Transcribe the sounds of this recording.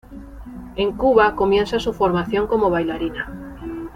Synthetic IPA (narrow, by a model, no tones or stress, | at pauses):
eŋkuβakomjẽnsasufoɾmaθjõŋkomoβajlaɾina